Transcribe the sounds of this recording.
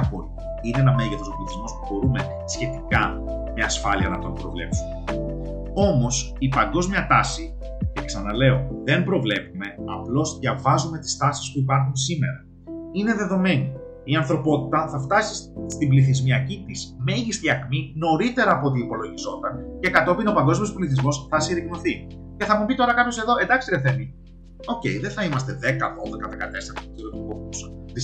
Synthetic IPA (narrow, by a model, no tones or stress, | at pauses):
ɐpo̞̰li | ineenɐme̞ʝeθosopliθizmospubo̞ɾume̞ | sçe̞t̪ikɐ | meɐsfɐliɐnɐt̪ompɾo̞vle̞̰psume | o̞mo̞s | ipɐŋɡo̞zmjɐt̪ɐsi | ceksɐnɐle̞o̞ðe̞mbɾo̞vle̞pume̞ɐplo̞zðʝɐvɐzume̞t̪i̥st̪ɐsispuipɐɾxunsime̞ɾɐ | ine̞ðe̞ðo̞me̞ni | iɐnθɾo̞po̞t̪it̪ɐθɐft̪ɐsisst̪ibliθizmiɐcit̪iz̥me̞ʝist̪iɐkmino̞ɾit̪e̞ɾɐːpoot̪̬iːpo̞lo̞ʝizo̞t̪ɐnce̞kɐt̪o̞pino̞pɐŋɡo̞zmio̞spoliθizmo̞sθɐsiɾiɣnuθi | ce̞θɐmubit̪o̞ɾɐkɐpçose̞ðo̞e̞nd̪ɐkst̪iɾɐft̪emi | o̞ce̞iðenθɐimɐst̪e̞ðe̞kɐðo̞ðekɐðe̞kɐt̪e̞seɾɐtɐt̪o̥t̪iɾot̪ukovusɐði